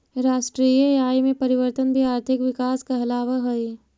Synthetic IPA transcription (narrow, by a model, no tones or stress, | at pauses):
ɾaːʃʈɾiːəaːjmẽpɐɾɪʋəɾt̪ənbʱiaːɾt̪ʰɪkʋɪkaːskaɦɐlaːʋaɦoi